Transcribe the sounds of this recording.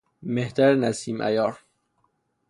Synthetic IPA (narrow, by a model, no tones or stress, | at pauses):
meht̪æɾnæsiːmʔæ̰jɒːɾ